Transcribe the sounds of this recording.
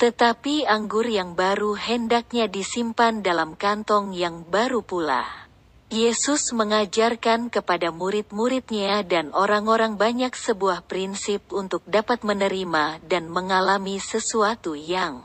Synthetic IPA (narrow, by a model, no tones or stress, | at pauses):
t̪ət̪apiaŋɡʊrjaŋbaɾuhəndak̚ɲadisimpandalamkant̪ɔŋjaŋbaɾupula̰ | jesusməŋad͡ʒarkankəpadamuɾɪt̪̚muɾɪt̪̚ɲadanoɾaŋoɾaŋbaɲaksəbuahpɾinsɪp̚unt̪ʊk̚dapat̪̚mənəɾimadanməŋalamisəsuat̪ujaŋ